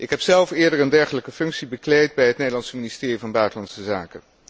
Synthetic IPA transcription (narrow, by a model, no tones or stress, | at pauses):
ʔɪkɦɛpsɛlˠfɪːɹdəɹəndɛɹχələkəfɵŋksibəklejd̚bɛjɦətnejdəlɑnsəministɪːrivɑnbœɥtəlɑnsəzaːkən